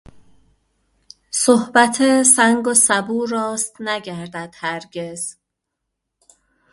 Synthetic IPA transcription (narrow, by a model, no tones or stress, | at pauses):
sohbæt̪ʰesæŋɡosæbuːɾɒːst̪næɟæɾd̪æd̪̥hæɾɡez̥